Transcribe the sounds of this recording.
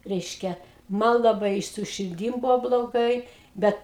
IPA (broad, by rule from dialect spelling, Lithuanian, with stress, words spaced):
ˈrʲɛɪʃʲkʲɛ ˈmɐn lˠɐˈbɐɪ ɪ sʊ ʃʲɪrʲˈdʲiːm ˈbʊʋoː blˠoːˈɡɐɪ ˈbʲɛt